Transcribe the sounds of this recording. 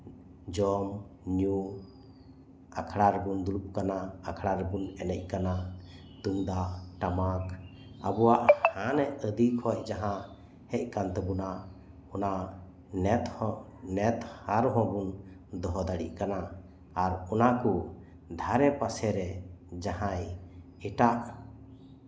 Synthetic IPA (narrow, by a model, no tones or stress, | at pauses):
d͡ʒɔmɲu | a̰kʰɽaɾbund̪ulup̚kanaakʰɽaɾbunɛnɛc̚ˀkana | t̪uŋd̪aʔʈamak | abɔwaʔhanɛʔəd̪ikʰɔc̚d͡ʒaɦã | hɛc̚kant̪ɛbuna | ɔna | nɛt̪ɔnɛt̪haɾɦɔ̃bun | d̪ɔɦɔd̪aɽḭʔ̚kanaː | ɾɔnaku | d̪ʱaɾɛpasɛɾɛd͡ʒaɦãj | ɛʈaʔ